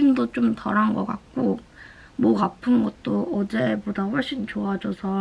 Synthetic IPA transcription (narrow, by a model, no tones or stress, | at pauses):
imdot͡ɕomtʌɾanɡʌk͈ak̚k͈o | mʌkapʰɯnɡʌt̚t͈oʌd͡ʑebodaɸʌɭɕ͈int͡ɕoad͡ʑʌsʰʌ